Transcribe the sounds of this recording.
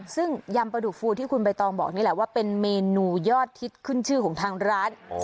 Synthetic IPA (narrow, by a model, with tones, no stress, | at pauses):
sɯ˥˩ŋja˧mpɾa˧du˨˩k̚fuː˧t̪ʰiː˥˩kʰu˧npa˧jt̪ɔː˧ŋbɔ̰ː˨˩k̚niː˥˩lɛ˧˩˦waː˥˩pe˧nmeː˧nuː˧jɔː˥˩t̪ʰːi˦˥t̪̚kʰɯ˥˩nt͡ɕʰɯː˥˩kʰɔː˩˦ŋt̪ʰaː˧ŋɾaː˦˥n